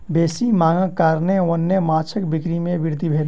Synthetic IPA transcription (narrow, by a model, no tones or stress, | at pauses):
beːsimaːŋə̃kaɾneənːemat͡ʃʰəkbikɾimẽbiɾd̪ʱibʱeːl